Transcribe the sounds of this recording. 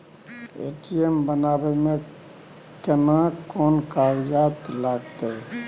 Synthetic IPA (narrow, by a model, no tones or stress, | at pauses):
ḛːʈiembənaːbemẽ | kənakɔːnkaːɾd͡ʒaːt̪laːɡt̪eɛ